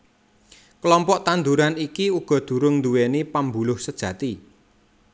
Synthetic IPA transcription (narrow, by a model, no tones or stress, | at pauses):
klɔmpɔʔt̪and̪uɾanikiuɡ̥ɔ̤d̪̥ṳɾʊŋnd̪uwɛnipambulʊhsəd̥ʒ̥ä̤t̪i